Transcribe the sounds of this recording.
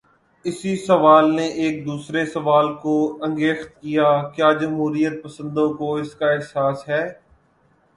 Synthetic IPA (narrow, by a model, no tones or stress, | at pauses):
ɪsisɐʋaːlneʔeːk̚d̪uːsɾesɐʋaːlkoɐ̃ŋɡeːxt̪kijakjaːd͡ʒɐmɦuːɾijət̪̚pəsə̃nd̪õkoɪskaɪɦsaːsɦɛː